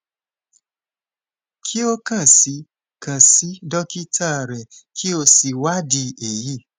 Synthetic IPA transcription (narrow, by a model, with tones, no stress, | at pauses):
kʰi˦o˦kã˦˨si˧˦ | kã˨si˨˦dɔ˦ki˦tʰa˦˨ɾɛ˨kʰi˦o˧si˧wa˦di˧e˨ji˦˨